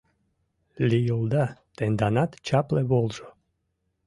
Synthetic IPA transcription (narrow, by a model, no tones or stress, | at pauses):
lʲijolˠd̪ɑt̪end̪ɑnɑt̪t͡ɕɑpleβolˠʒo